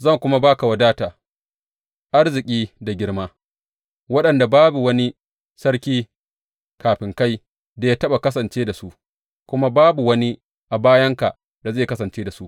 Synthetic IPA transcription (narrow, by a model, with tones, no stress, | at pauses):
zɐ˦˨ŋkʷʊ˦ma˦baː˦ka˨wɐ˨daː˦taː˨ | ʔa˦ɽzɪ˨kʲʼiː˦da˨ɡʲɪ˦ɽmaː˦ | wɐ˦ɗɐ˨nda˨baː˦bu˨wɐ˦ni˦ | sɐ˦ɽkʲiː˦ | kaː˨ɸɪ˨ŋka˦j | da˨ja˦tɐ˦ɓa˨kɐ˦sɐ˨nt͡ʃeː˦da˨su˦ʔ | kʷʊ˦ma˦baː˦bu˨wɐ˦ni˦ | ʔa˨baː˦jɐ˦ŋka˨ʔ | da˨zeː˦˨kɐ˦sɐ˨nt͡ʃeː˦da˨su˦ʔ